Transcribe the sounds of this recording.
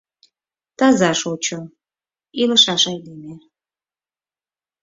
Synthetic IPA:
t̪ɑzɑʃot͡ɕo | iləʃɑʃɑjd̪eme

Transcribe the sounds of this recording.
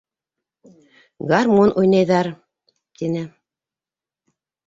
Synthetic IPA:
ɡarmunʔujnɑjðɑɾ | t̪inɘ

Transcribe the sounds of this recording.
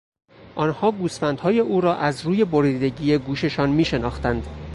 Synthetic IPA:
ʔɒːnhɒːɡuːsfænd̪̥hɒːje̞ʔuːɾɒːʔæzɾuːje̞bo̞ɾiːd̪e̞ɟiːje̞ɡuːʃe̞ʃɒːnmiːʃe̞nɒ̰ːxt̪ænd̪̥

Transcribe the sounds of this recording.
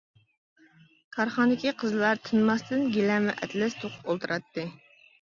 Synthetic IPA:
kʰɑɾχɑnd̪ɪkʲiqʰəzlˠɑɾt̪ʰɨnmɑst̪ɨnɡʲelɛmɛ̰ʔɛ̰t̪lɛst̪ʰoqʰʊ̥polˠt̪ɨɾɑt̪ːɨ

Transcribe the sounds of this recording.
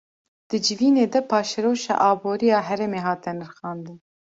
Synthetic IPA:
d̪̥ɨd͡ʒɪviːneːd̪ɛpʰɑːʃɛɾoːʃɑ̰ːʔɑːboːɾijɑːɦɛɾɛmeːɦɑːt̪ɛnɨɾxɑːnd̪ɨn

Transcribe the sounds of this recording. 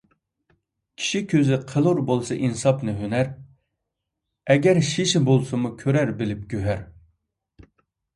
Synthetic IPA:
kʲʰi̥ʃikʲʰøzɪqʰəlˠuɾbolˠsɑʔinsɑpnɨɦønæɾ | ɛɡʲɛɾʃiʃɪbolˠsɨmukʲʰøɾæɾbɪlɪp̚ɡʲøɦæɾ

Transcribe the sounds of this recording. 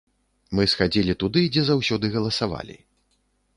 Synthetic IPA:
mɨsxad͡zʲilʲit̪ud̪ɨd͡zʲɛzawsʲɔd̪ɨɣɐlˠɐsava̰lʲḭ

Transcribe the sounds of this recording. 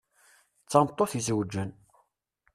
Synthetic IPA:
t͡sːɑmt̪ˤːoθizwd͡ʒːən

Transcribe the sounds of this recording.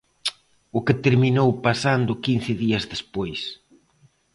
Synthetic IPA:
ʊket̪eɾminowpasand̪ʊkinθɪðiɐzðespojs

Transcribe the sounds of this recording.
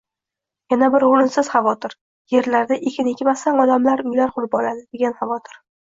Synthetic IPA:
janabɪɾʊɾɪnsɪz̥χɑvɒt̪ʰɪɾ | je̞ɾlaɾd̪aʔekʲʰɪnekʲɪmasaŋɒd̪amlaɾʊjlaɾqʰʊɾɪpɒlad̪ɪd̪e̞ɡʲanχɑvɒt̪ʰɪ̥ɾ

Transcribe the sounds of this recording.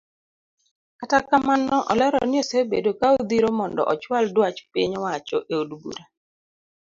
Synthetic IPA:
atakamanɔʔɔlɛɾɔ̰nɪosebedokaod̪iɾomɔndɔ̰ʔɔt͡ʃwaldwat͡ʃpḭɲɔwat͡ʃɔʔeudbṵɾa

